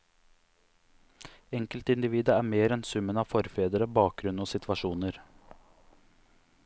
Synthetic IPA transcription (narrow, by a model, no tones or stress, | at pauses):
ɛŋkəlt̪ɪnd̪ɪʋiːd̪əæːɾmeːɾɛnsʉmənɑːʋfɔɾfeːd̪əɾəbɑːk̚ɡɾʉnoːsɪt̪ʰʋɑʂuːnəɾ